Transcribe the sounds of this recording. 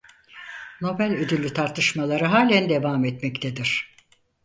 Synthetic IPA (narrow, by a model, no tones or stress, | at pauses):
no̞bælʲød̪ylʲːyt̪ʰaɾt̪ʰɯʃmalˠaɾɯɦaːlʲænd̪e̞vaːmɛt̪mɛct̪ʰed̪iɾ̥